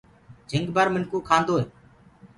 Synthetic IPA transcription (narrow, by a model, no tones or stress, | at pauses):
d͡ʒʱɪŋɡbəɾmɪnkuːkʰãːnd̪oːɦeː